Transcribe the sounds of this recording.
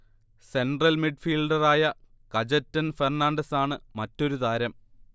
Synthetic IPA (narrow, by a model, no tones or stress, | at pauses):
se̞nɖrɐlmiɖfiːlɖɐraːjɐ | kɐd͡ʑɐtːɐnfernaːɳɖɐsaːɳɨmɐtːo̞ɾud̪aːɾɐm